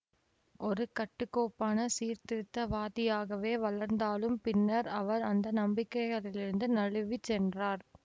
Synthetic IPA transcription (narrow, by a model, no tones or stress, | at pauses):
ʔɔɾɯkɐʈːɯkːoːpːaːnɐsiːɾt̪ɪɾɯt̪ːɐʋaːðɪjaːɣɐʋeːʋɐɭɐɾnd̪aːlɯmpɪnːɐɾɐʋɐɾɐnd̪ɐnɐmbɪkːɐɪɣɐɭɪlɪɾɯnd̪ɯnɐɻɯʋit͡ʃːɛndraːɾ